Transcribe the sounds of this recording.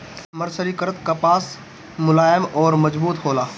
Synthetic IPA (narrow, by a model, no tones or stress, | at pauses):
məɾsəɾikəɾət̪kɐpaːs | mʊlaːjəmɔːɾmɐd͡ʒbuːt̪ɦoːlaː